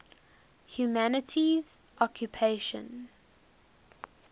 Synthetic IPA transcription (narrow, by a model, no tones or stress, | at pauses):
hjumænətʰiz | ʔɔkʰjupʰeɪʃə̰̃n